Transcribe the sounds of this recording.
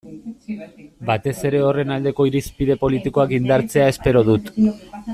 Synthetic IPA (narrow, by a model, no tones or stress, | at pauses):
bat̪e̞se̞ɾe̞o̞re̞nald̪e̞ko̞iɾispið̞e̞po̞lit̪iko̞akind̪aɾt͡se̞ae̞spe̞ɾo̞ð̞ut̪